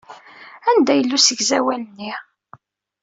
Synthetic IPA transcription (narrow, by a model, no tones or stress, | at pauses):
ænd̪æjəlːusəɡzæwælənːi